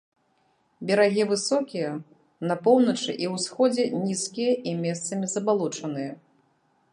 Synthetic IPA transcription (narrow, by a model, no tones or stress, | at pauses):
bʲɛɾaɣʲivɨsɔkʲijɐ | nɐpɔwnɐt͡ʂɨ̰ʔiwsxɔd͡zʲɛnʲiskʲijɐʔimʲɛst̪sɐmʲizɐbalˠut͡ʂɐn̪ɨjɐ